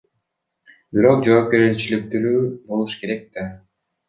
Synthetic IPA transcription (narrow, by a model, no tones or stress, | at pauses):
biɾo̞q̚d͡ʒo̞ːp̚kʲe̞ɾit͡ʃilip̚t̪yɾyːbo̞lˠuʃke̞ɾe̞k̚t̪e